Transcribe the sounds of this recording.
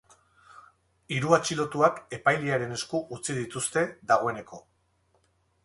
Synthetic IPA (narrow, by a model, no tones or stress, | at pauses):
iɾuat͡ʃilo̞t̪uake̞pajliaɾe̞ne̞skuʔut͡sið̞it̪ust̪e̞ðaɣo̞e̞ne̞ko̞